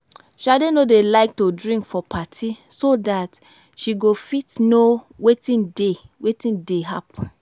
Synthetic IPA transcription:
ʃadenodelaɪk̚tudɹĩŋkfɔpʰatʰisodat | ʃiɡofitnowetĩndewetĩndeɦapɔ̃n

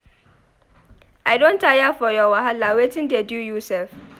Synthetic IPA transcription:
aɪdõntʰajafɔjɔwaɦalawetʰɪ̃ndɪɛdjujusɛlf

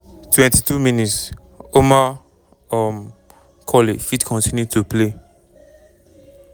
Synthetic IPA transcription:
twɛ̃ntitʰuminits | oma | ɔm | kʰɔlefitkʰɔ̃ntĩnjutʰuple

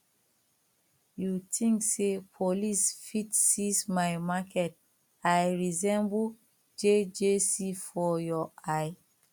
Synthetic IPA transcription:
jutʰĩŋksepʰolisfitsismajmakʰɛt̚ | ajɹizɛ̃mbu | d͡ʒed͡ʒesifɔjɔʔaj

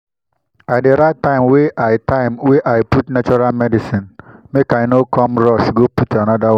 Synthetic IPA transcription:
aɪdeɾatːãɪ̃mweʔaɪtãɪ̃mweʔaɪputnat͡ʃɔɾalmɛdisĩnmekaɪnokʰɔmɾɔsɡoputanɔdaw

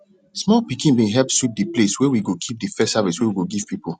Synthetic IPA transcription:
smɔlpikĩnbẽɦɛlp̚swip̚dəpleswɛwiɡokʰip̚dɨfɛsaviswɛwiɡoɡiv̥pipo

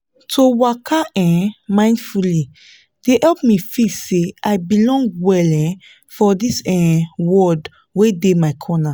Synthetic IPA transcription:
tʰowakʰaʔɛ̃mãɪ̃ndfuli | d̥ehɛlpmifitseaɪbilɔ̃ŋɡwɛlɛ̃n | fɔdisɛ̃wɔd | wedemaɪkʰɔna

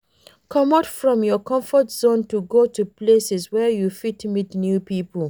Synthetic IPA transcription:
kʰɔmatfɹɔ̃mjɔkɔ̃ɱfɔtz̥õntuɡotuplesɛswɛjufitmitnjupipəl

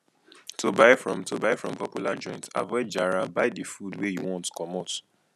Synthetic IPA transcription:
tʰobaɪfɹɔ̰̃mtʰobaɪfɹɔ̰̃mpɔpjulad͡ʒɔ̃ɪ̃nta̰vɛd͡ʒaɹabaɪdifudwejṵwɔ̃ntkʰɔmɔt

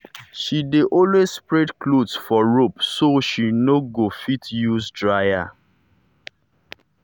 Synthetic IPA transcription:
ʃideʔɔlwezspɹedklodsfɔɹopsoʃinoɡofitjuzdɹaja̰

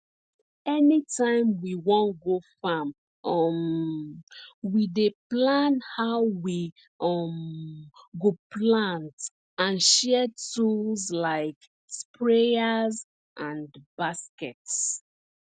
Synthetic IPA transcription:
ɛnitʰãɪ̃mwiwɔ̃nɡofam | ɔm | wideplãnhaʊwi | ʌm | ɡoplãnt | ãnʃɛtullzlaɪk | spɹeaz | ʔãnbaskɛts

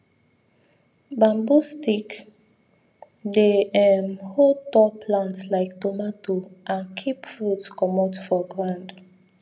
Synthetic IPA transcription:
bãmbustik | deɛmhod̚tɔpʰlãntslaɪktomatoʔãnkʰipfɹutskɔmɔtfɔɡɹãnd

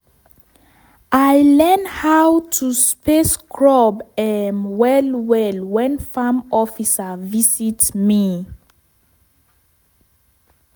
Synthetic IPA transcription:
ʔajlɛnhawtʰuspeskʰɹɔbɛnwɛlwɛlwɛ̃nfamɔfisavisitmi

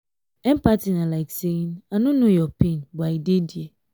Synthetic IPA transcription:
ɛm̩patinalaɪkseinanũnũjɔpinbaidedie

